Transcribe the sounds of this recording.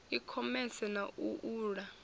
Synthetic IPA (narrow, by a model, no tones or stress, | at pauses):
ikʰɔmɛsɛnaʔuʔuːɺa